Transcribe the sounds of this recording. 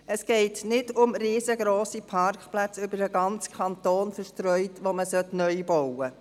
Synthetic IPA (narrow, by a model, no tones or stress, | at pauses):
ɛsɡ̥ɛɪtnɪdʊmɾiːzəɡɾoːsipʰɑɾkχplæt͡sʏbəɾdəɡɑnt͡skʰɑnt̪oːnfəʃtɾœʏtʋoməsœtnœʏbowə